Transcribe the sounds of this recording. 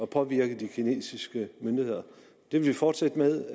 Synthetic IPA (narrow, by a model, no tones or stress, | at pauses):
ɒ̽pʰɒ̽ʋiɐɡ̥əd̥ikʰine̝̰ːsisɡ̥əmønd̥ihe̝ð̞̰ˠɐ | d̥e̝ʋe̝lʋifɒ̰ːd̥sed̥əmeðˠ